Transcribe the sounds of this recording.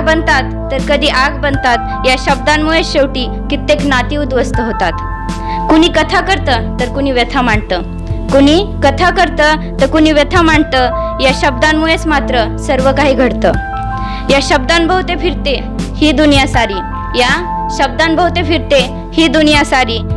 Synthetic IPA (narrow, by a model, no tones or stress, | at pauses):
bənt̪at̪ːəɾkəd̪ʱiːʔaɡbənt̪at̪ | jaɕəb̚d̪anmujesɕewʈiː | kit̪ːeknat̪iud̪ʋəst̪əɦot̪at̪ | kuɽ̃iːkət̪ʰakəɾt̪ət̪əɾkuɽ̃iːʋjet̪ʰam̤aɳt̪ə | kuɽ̃iːkət̪ʰakəɾt̪ət̪əɾkuñiːʋjet̪ʰamaɳt̪ə | jaɕəb̚d̪anmuet͡smat̪ɾəsəɾʋəkaɦiːɡʱəɽt̪ə | jaɕəb̚d̪anbʱəɦut̪efiɾt̪e | hiːd̪unjasaɾiː | ja | ɕəb̚d̪anbəɦut̪efiɾt̪e | hiːd̪unjasaɾiː